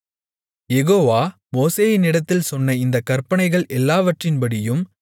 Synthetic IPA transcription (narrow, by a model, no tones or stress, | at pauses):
jɛɣoːʋaː | moːseːjɪnɪɽɐt̪ːɪlsɔnːɐɪnd̪ɐkːɐrpɐnɐɪɣɐɭʔɛlːaːʋɐʈrɪnbɐɽɪjɯm